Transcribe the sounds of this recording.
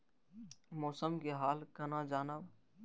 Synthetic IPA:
mɔːsəmkeɦaːlkənad͡ʒaːnəb

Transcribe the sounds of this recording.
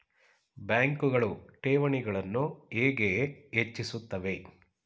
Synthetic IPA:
baːŋkuɡɐɭuʈeːʋɐɳiɡɐɭɐnːueːɡeet͡ʃːisut̪ːɐʋe̞

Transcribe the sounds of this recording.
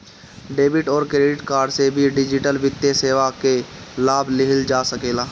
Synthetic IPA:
ɖeːbɪʈɔːɾkɾeːɖɪʈkaːɾɖsebʱiɖɪd͡ʒɪʈəlʋɪt̪ːjeseːʋakelaːblɪɦəld͡ʒaːsəkeːlaː

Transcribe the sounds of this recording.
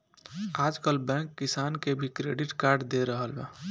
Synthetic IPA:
aːd͡ʒkəlbɛ̃ŋkːɪsaːnkebʱikɾeːɖɪʈkaːɾɖd̪eɾəɦəlmḛ̃

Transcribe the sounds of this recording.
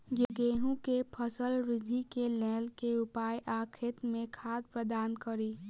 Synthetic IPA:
jeɡeːɦũkepʰəsəlɾɪd̪ʱikelɛ̃ːlkeʊpaːjʔaːkʰet̪mẽkʰaːd̪̚pɾəd̪aːnkəɾiː

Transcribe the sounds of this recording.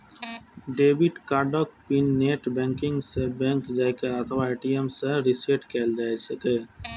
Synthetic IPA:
ɖeːbɪɖkaːɖoːk̚pinːeːʈbɛ̃ŋkɪ̃ŋɡsebɛ̃ːŋkd͡ʒajkeat̪ʰwaːʈijemseɾɪseːʈkɛːld͡ʒaːesəke

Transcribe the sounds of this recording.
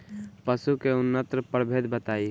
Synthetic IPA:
pəsukeʊnːət̪ɾəpəɾbʱed̪bət̪ai

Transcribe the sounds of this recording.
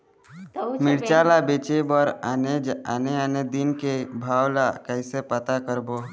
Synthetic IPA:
mɪɽt͡ʃalabet͡ʃebəɾaneaneaned̪inkebʱaːwlakəɪsepət̪akəɾbo

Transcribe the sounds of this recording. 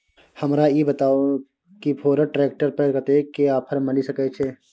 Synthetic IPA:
hɐmɾajebɐt̪aːo | kipʰoːɾəʈɾeːk̚ʈəɾpeɾkɐt̪ekeaːpʰɐɾmɐlisəket͡ʃʰeː

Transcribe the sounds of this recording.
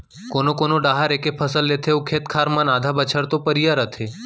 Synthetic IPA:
konokonoɖaːɦaɾekepʰəsəlːet̪ʰeukʰeːt̪kʰaːɾmãnaːd̪ʱabət͡ʃʰəɾt̪opəɾijaɾət̪ʰe

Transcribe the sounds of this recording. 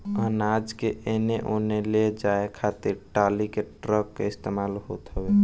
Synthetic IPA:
ənad͡ʒkeeneʔoneled͡ʒaekʰat̪iɾʈalikeʈɾəkːeɪst̪emalɦo̰t̪ɦəbe

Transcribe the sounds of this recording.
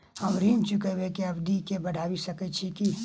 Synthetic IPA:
ɐmɾiːmt͡ʃukəwekeɐbd̪ikebɐɽʱaːwisɐkət͡ʃʰiki

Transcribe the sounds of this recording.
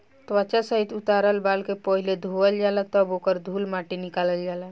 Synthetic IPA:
t̪ʋət͡ʃasəɦit̪ut̪aɾəlbalkepəɦiled̪ʱoəld͡ʒalat̪əbokəɾd̪ʱulmaʈinikaləld͡ʒala

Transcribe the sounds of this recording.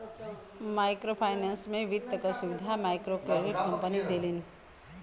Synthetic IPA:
majkɾopʰajnansmeʋit̪ːʌkosubid̪ʱamajkɾokɾeɖiʈ̚kʌmpənid̪elin

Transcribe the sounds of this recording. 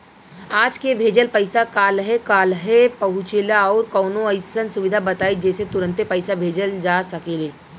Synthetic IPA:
aːd͡ʒkebʱeːd͡ʒəlpəɪsakaːlɦekaːlɦepəɦʊt͡ʃelaɔːɾkɔːnoəɪsənsʊʋɪd̪ʱabət̪aːid͡ʒɛːset̪ʊɾə̃nt̪epəɪsabʱeːd͡ʒəld͡ʒaːsəkeːleː

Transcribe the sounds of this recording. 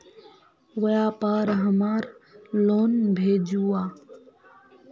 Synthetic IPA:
ʋɐjaːpaːɾɦəmaːɾloːnbʱeːd͡ʒuːaː

